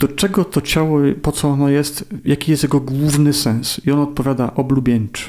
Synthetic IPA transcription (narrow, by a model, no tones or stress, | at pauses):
d̪̥ɔt͡ʂɛɡɔt̪ɔt͡ɕawɔpɔt̪sɔɔnɔjɛst̪jakʲijɛst̪jaɡɔɡwuvnɘsɛ̃nsiɔnɔt̪̚pɔvʲjad̪a̰ʔɔblubʲjɛɲt͡ʂɛ̥